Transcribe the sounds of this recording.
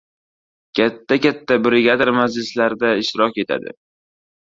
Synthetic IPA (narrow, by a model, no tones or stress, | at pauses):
kʲʰat̪ʰːakʲat̪ʰːabɾeɡʲad̪aɾmad͡ʒlɪslaɾd̪aɪʃt̪ɪɾɒkʲe̞t̪ʰa̰d̪ɪ̰